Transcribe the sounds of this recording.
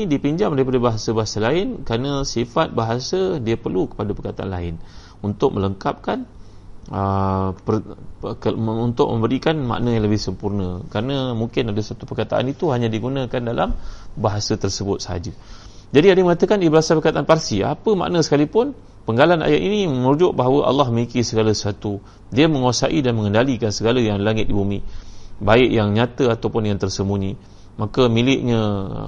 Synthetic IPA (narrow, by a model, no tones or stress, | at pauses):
dipiɲd͡ʒamdaɾipadabaɦasəbaɦasalaɪnkɾanəsifat̪̚baɦasədiəpərlukə̥padapərkat̪aʔa̰nla̰ɪn | unt̪ʊk̚mələŋkap̚kan | əpə | əunt̪ʊʔ̚mə̃mbəɾikanma̰ʔnãjaŋləbɪhsəmpurnə̃kɾanəmuŋkɪnadəsat̪upərkat̪aʔa̰nit̪uɦaɲãdiɡunãkandala̰mbaɦasət̪ərsəbʊt̪̚səɦa̰d͡ʒə | d͡ʒadiadəməŋat̪əkaniəbəasalpərkat̪aanparsia̰pəma̰ʔnə̃sə̥kalipʊn | pəŋɡalana̰jaʔ̪iniməɾud͡ʒʊʔ̚baɦawəʔa̰lːɑhməikisəɡaləsat̪u | diəməŋuasa̰ʔidanməŋəndalikansəɡaləjaŋlaŋɪt̪̚dibumibaɪʔjaŋɲat̪əat̪awpʊnjaŋt̪ərsəmuɲĩ | makəmilɪʔɲã̰